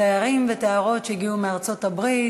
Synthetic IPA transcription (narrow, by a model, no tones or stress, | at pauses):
ɛaʁimvɛtɛaʁotʃeiɡiumɪaʁt͡sotabʁi